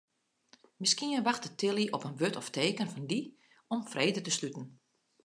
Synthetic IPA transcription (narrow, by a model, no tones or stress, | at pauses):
mɪskiənʋaxtətɪlˠiʔɔpənʋøtʰɔfteːkənfɔndi | ɔmfreːdətəslytən̩